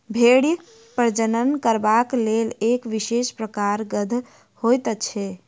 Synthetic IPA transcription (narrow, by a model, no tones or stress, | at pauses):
bʱeɽjə | pəɾd͡ʒənənkəɾbaklelekʋisespɾəkaɾɡəd̪ʱ | hojt̪ət͡ʃʰɛ